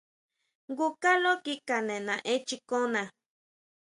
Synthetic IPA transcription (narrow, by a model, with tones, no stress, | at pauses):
ŋɡu˦ka˦lo˦ki˦ka˨nẽ˨nã˨ʔe˦t͡ʃi˦ko˦nã˨